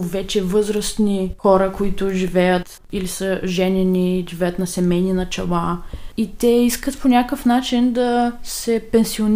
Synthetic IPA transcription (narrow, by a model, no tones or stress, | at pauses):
vɛt͡ʃɛvɤzɾəst̪nixɔɾəkoit̪ʊʒivɛjət̪ | ilisəʒɛnʲɛniʒivɛjət̪nɐsɛmɛjninɐt͡ʃɛlait̪ɛiskət̪ponʲakəfnat͡ʃind̪ɐsɛpɛnsion